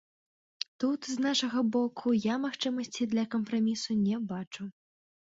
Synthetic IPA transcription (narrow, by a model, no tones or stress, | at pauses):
t̪ut̪znaʂɐɣɐbɔkʰujamaxt͡ʂɨmɐsʲt͡sʲid̪lʲɐkɐmpɾamʲisunʲɛbat͡ʂu